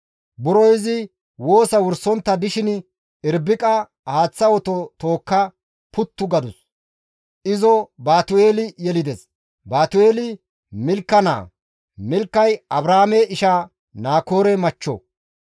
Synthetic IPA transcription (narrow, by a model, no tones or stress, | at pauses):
bʊɾɔjzɪ | wo̞ːsɐwʊɾsɔnt̪ːɐd̪ɪʃɪn | ɪɾbɪkʼɐ | haːt͡sːɐwɔt̪ɔt̪o̞ːkːɐ | pʊt̪ːʊɡɐd̪ʊs | ʔɪzɔbaːt̪ʊe̞ːlɪjɛlɪd̪ɛs | baːt̪ʊe̞ːlɪ | mɪlkːɐna̰ː | mɪlkːɐjɐbɾaːmeɪʃa | naːko̞ːɾɛmɐt͡ʃːɔ̰